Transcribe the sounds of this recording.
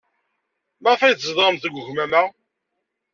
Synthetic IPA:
mɑʁfæjət͡szðˤʁəmθəɡʷʊʝmæmæ

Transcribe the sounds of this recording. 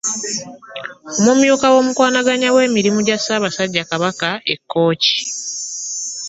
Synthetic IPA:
omumjuːkawo̞ːmukwaːnaɡaɲawe̞ːmiɾimuɟasaːβasaɟːakaβakae̞̰kːo̞ːci̥

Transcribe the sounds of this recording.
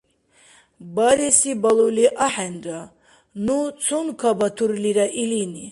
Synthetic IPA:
baɾɛsibaluliʔaħɛnda | nut͡sʰɔnkʰabat̪ʰuɾliɾaʔilini

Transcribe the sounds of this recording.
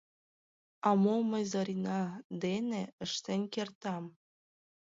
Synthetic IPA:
ɑmomɤ̆jzɑɾʲinɑd̪eneə̆ʃt̪enʲkert̪ɑm

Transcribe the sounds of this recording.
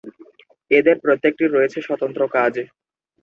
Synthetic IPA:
ed̪eɾpɾot̪ːek̚ʈiɾojet͡ɕʰeʃɔt̪ont̪ɾokad͡ʑ

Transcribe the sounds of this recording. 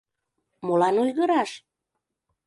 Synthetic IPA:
molɑnujɣəɾɑʃ

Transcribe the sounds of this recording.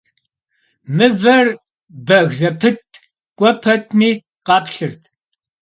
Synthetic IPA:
mɨvɐr | bɐɣzɐpʰɨt̚ʰʼ | kʷʼɔpʰɐtʰmiː | qɑːpɬɨrtʰ

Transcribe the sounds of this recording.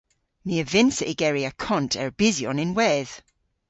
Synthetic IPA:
miəvɪnsəʔɪɡ̥ɛɹiakʰɔ̃ntʰɛɹb̥ɪzjɔnɪ̃nwɛð̥

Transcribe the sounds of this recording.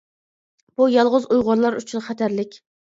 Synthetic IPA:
b̥ujɑlˠʁʊzujʁʊɾlˠɑɾyt͡ʃʰynχæt̪ʰæɾlɪkʲ

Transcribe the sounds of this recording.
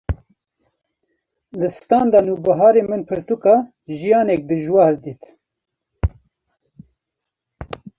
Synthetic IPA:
lɨst̪ɑːnd̪ɑnuːbɨɦɑːɾemɨnpʰɨɾt̪ukɑ | ʒijɑːnɛk̚d̪ɨʒwɑːɾd̪iːt̪

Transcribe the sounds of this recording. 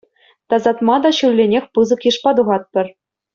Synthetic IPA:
t̪ɑzɑt̪mɑd̪ɑɕulʲːenʲexʲpɯzɤ̆kjɯʂpɑd̪uʁɑt̪̚pʲɘ̆r

